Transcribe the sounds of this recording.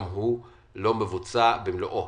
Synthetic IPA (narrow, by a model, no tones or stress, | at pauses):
mɦu | lɔmbevut͡sabemlɔʔɔ